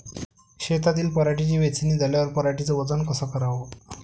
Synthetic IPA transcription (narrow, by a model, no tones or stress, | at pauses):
ɕet̪at̪iːlpəɾaʈit͡ɕiːʋet͡siniːd͡zʱaljaʋəɾpəɾaʈit͡səʋəd͡zənkəsəkəɾaʋo